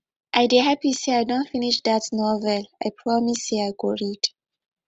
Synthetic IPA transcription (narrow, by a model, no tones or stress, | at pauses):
ʔaɪdeɦapiseajdõntfiniʃdatnɔvɛlajpʰɹɔmiseajɡoɹid